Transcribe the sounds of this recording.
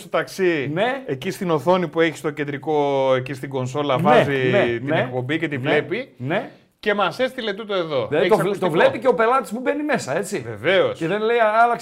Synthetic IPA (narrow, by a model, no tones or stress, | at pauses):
st̪ot̪ɐksineecist̪ino̞θo̞nipue̞çi̥st̪o̞ced̪ɾiko̞ecist̪iɡo̞nso̞lɐvɐzitninek̚po̞bice̞t̪ivle̞pine | ce̞mɐsest̪ile̞t̪ut̪oe̞ðo̞ot̪ovlepiceo̞pe̞lɐt̪i̥spube̞nime̞sɐe̞t͡siveve̞o̞seðenlejɐlɐk